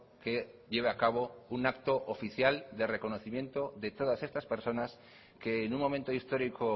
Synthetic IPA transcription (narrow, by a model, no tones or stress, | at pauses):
keʎeβeakaβ̞ounakt̪oʔofiθjald̪e̞re̞ko̞noθimjẽ̞nt̪o̞ðe̞t̪o̞ðase̞st̪aspe̞ɾso̞nas | keːnuŋmõ̞mẽnt̪oist̪o̞ɾiko